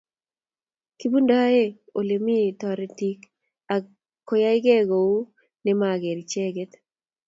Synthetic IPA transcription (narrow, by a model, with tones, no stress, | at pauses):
ki˦bu˦nda˦e˦ | o˨le˨mi˦˨t̪ɔ˨ɾɛ˨ti˦k | a˨ | kɔ˦ja˦ɪ˦ɡɛ˦ɡo˨u˦ | nɛ˦ma˨ɡe˨ɾt͡ʃɛ˦ɡɛ˦t̪